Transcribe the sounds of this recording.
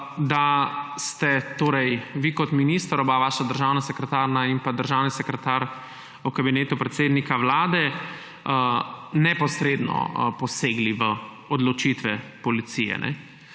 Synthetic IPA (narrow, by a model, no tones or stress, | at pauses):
d̪ast̪ɛt̪oːɾɛjʋikɔt̪miniːst̪əɾɔbaʋaːʃad̪əɾʒawnasɛkɾɛt̪aːɾnaimpad̪əɾʒawnisɛkɾɛt̪aɾ | ukabineːt̪upɾɛt̪seːd̪nikawlaːd̪ɛ | nɛpɔsɾed̪nɔ̰pɔseːɡliʋə | ɔd̪lɔt͡ʃit̪ʋɛpɔlit̪sijɛ̰nʔɛ̰